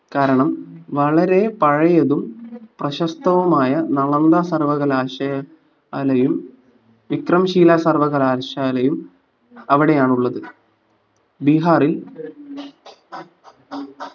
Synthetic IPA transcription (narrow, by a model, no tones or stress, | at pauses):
kaːɾɐɳɐmʋɐɭɐɾe̞pɐɻɐjɐðumprɐɕɐst̪ɐʋɐmaːjɐnɐɭɐnd̪aːsɐrʋɐɣɐlaːɕɐjɐ | lɐjum | ʋikrɐmɕiːlaːsɐrʋɐɣɐlaːɕaːlɐjum | ɐʋiɽe̞jaːɳuɭːɐðɨ | biɦaːril